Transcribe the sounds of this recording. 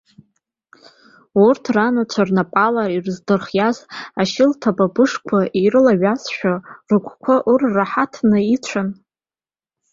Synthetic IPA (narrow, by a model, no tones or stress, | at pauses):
urtʰranat͡ʃʷʰarnapʼalaɾirzdɨrχjazaʃɪltʰababɨʂkʷʰaʔiɾɨlaɥasʃᶣarɨkʷʰʼkʷʰaʔurːaħatʰnɨit͡ʃʷʰan